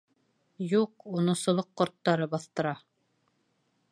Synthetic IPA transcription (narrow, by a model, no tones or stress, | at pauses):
juqunɤ̆sŏlˠɤqːŏɾt̪ːɑɾɤbɑθt̪ɤ̆ɾɑ